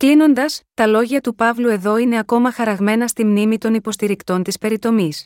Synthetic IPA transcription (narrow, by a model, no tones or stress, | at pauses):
klino̞nd̪ɐst̪ɐlo̞ʝɐt̪upɐvlue̞ðo̞ine̞ɐko̞mɐxɐɾɐɣme̞nɐst̪imnimit̪o̞nipo̞st̪iɾikt̪o̞nt̪ispe̞ɾit̪o̞mis